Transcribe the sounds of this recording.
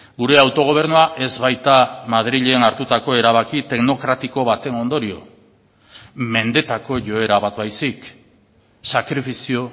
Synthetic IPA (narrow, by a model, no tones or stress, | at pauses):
ɡuɾe̞awt̪o̞ɣ̞o̞β̞e̞ɾnuaʔe̞zβajt̪amað̞ɾiʎeːnaɾt̪ut̪ako̞e̞ɾaβ̞akit̪e̞ɡno̞kɾat̪iko̞β̞at̪e̞no̞nd̪o̞ɾio̞̰ | me̞nd̪e̞t̪ako̞ʝo̞e̞ɾaβat̪βajsik | sakɾifisio̞